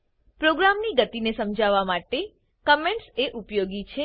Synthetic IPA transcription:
pɾoɡɾamniɡət̪inesəmd͡ʒaʋamaʈe | kəmeɳʈseʔupjoɡit͡ʃʰe

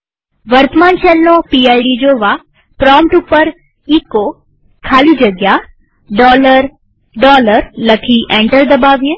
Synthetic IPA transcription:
ʋəɾt̪əmaːnʃelnopiajɖid͡ʒoːʋa | pɾɔ̃ːmpʈupəɾ | iːko | kʰaːlid͡ʒəɡja | ɖɔːləɾ | ɖɔːləɾləkʰiʔẽɳʈəɾd̪əbaːʋjeː

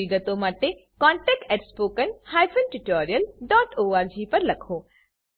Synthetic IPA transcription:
iɡət̪omaːʈekãːɳʈɛːk̚ʈɛːʈspoːkənhaːjfənʈuʈoːɾijəlɖɔːʈoːaːɾd͡ʒiːpɐɾlɐkʰoː

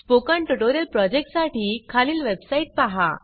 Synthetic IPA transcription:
spokaɳʈuʈoɾjəlpɾɔd͡ʑek̚ʈsaʈiːkʰaliːlʋebsaiʈ̚paɦa̰

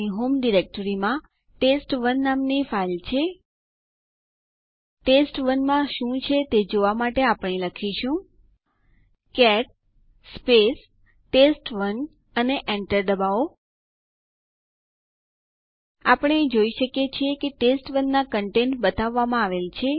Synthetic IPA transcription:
iɦomɖiɾek̚ʈəɾimã | ʈesʈʋənːamnifailt͡ʃʰe | ʈesʈʋənmãʃũt͡ʃʰet̪ed͡ʒoʋamaʈeapəɳ̃eləkʰiʃũ | kɛʈ̚ | spesː | esʈʋən | əneʔɛɳʈəɾd̪əbao | apəɳ̃eːd͡ʒoiʃəkjet͡ʃʰiekeʈesʈʋənːakəɳʈenʈbət̪aʋːamãaʋelt͡ʃʰe

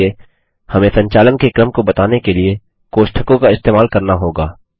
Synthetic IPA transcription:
e | hɐmẽsɐ̃ɲt͡ʃaːlənkekɾəmkobɐt̪aːnekelie | koːʃʈʰəkõkaɪst̪eːmaːlkɐɾnaɦoːɡaː

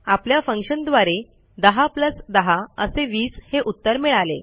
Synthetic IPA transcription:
apljafəŋkɕənd̪ʋaɾe | d̪əɦapləsd̪əɦaəseʋiːsheʔut̪ːəɾmiɭalḛ

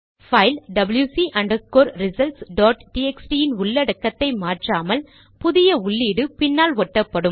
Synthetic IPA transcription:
fɐɪlɖɐbɐljuːsiʔɐɳɖɐkːoːɾɾɪsɐlsɖoːʈʈiːɛksʈijɪnʊɭːɐɽɐkːɐt̪ːɐɪmaːʈraːmɐl | pʊðɪjɐʊɭːiːɽɯpɪnːaːlʋɔʈːɐpːɐɽɯm

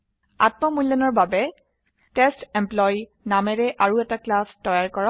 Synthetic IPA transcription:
a̰t̚mɔmulːɔnɔɹbabɛ | tɛstɛmplɔj | namɛɹɛʔaɹuɛtaklastɔjaɹkɔɹɔ

